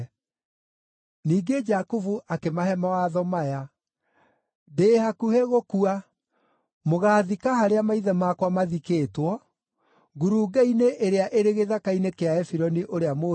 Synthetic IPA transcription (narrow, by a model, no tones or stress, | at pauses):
niːɡed͡ʒakuvuʔakemaɦɛmawaðɔmaja | deːhakuheɣokua | moɣaːðikahaɾeamaiðɛmaːkwamaðikeːtwɔ | ɡuɾuːɡaineʔeɾeaʔeɾeɣeðakainekeaɛfiɾɔniʔoɾeamo